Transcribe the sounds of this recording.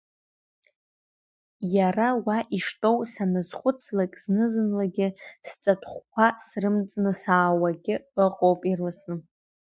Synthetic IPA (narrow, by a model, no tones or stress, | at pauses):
jarawaʔiʂtʼo̞wsanɨzχʷʊt͡sʰlakʲʼznɨzɨnlaɡʲɪst͡sʼatʰʼχʷkʷʰasrɨmt͡sʼnɨsaːwaɡʲɪəqʼowpʼirlɨsnɨ